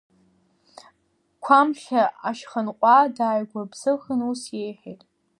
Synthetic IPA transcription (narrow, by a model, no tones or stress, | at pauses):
kʷʰamχʲaaʃχənqʷʼadaːjɡʷabzɨxənusjejħejtʼ